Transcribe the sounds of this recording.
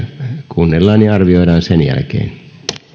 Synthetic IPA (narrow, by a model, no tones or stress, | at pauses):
kʰunːelːɑːnniɑrʋioiɾɑːnsenjæ̰lkḛːn